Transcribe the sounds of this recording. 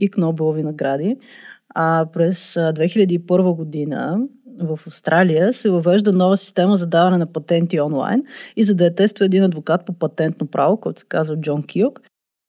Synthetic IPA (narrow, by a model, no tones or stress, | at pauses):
iknɔbɛlˠovinɐɡɾad̪i | apɾɛsd̪vɛxiʎʲəd̪iːpɤɾvəɡod̪inə̰vəfɐfst̪ɾʔalijəsɛvɐvɛʒd̪ənɔvəsi̥st̪ɛməzɐd̪avɐnɛnɐpɐt̪ɛnt̪iɔnlˠa̰jnizɐd̪ɐɛt̪ɛst̪vəɛd̪inɐd̪vokat̪̚popɐt̪ɛnt̪nopɾʔavokɔɛt̪ʊ̥sɛ̥kazvəd͡ʒɔnkʲiok